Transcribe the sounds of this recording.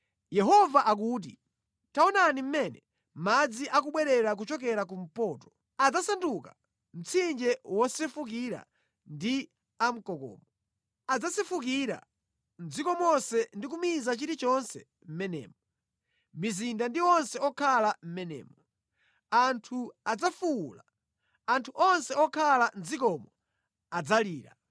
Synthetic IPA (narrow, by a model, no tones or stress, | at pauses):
jɛɦɔvaʔak̬uːt̬ḭ | taɔnanim̩mɛnɛ | mad͡ziʔak̬uɓwɛɾɛɾak̬ut͡ʃɔkɛɾak̬um̩pɔːtɔ̥ | ad͡zasanduka | m̩t͡sʰind͡ʒɛwɔsɛfuk̬iɾa̰ | ndi | am̩kɔkɔ̰ːmɔ | ad͡zasɛfuk̬iɾa̰ | nd͡zikɔmɔsɛndik̬umizat͡ʃiɾit͡ʃɔnsɛ̰ | m̩mɛnɛ̰ːmɔ | mizindandiɔnsɛɔkʰalam̩mɛnɛ̰ːmɔ | antʰuad͡zafula | antʰuʔɔnsɛɔkʰaland͡zikɔmɔ | ad͡zaliːɾa̰